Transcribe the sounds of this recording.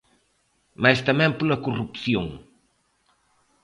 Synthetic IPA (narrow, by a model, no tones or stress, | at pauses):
majst̪ɐmɛ̃mpolɐkurupθjoŋ